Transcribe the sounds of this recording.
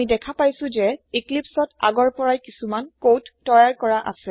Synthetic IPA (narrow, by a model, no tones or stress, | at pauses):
idɛkʰapajsʊ̃zɛiklipsɔta̰ɡɔɹpɔɹajkisumankotːɔjaɹkɔɹaʔa̰sɛ